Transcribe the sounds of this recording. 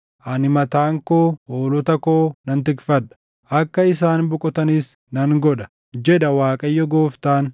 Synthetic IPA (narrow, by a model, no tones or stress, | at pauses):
ʔɐnɪmɐt̪aːŋkoːoːlɔt̪ɐkoːnɐnt̪ɪkfɐᶑɐ̥ | ʔɐkːɐɪsaːnbʊkʼɔt̪ɐnɪs | nɐŋɡɔᶑɐ̥ | d͡ʒɛᶑ̪ɐwaːkʼɐjːɔɡoːft̪aːn